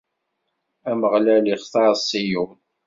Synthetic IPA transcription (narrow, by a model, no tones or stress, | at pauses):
æməʁlæliχθɑɾˤsˤiju